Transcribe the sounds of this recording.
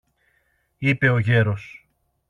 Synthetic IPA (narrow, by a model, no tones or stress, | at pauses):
ipe̞o̞ʝe̞ɾo̞s